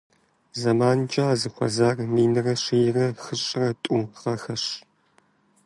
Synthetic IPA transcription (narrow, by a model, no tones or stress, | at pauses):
zɐmaːnt͡ʃʼaːzɨxʷɔ̰zaːrmiːnɨrɐɕiːjrɐxɨɕʼɪrɐtʼʊʁɐxɐɕ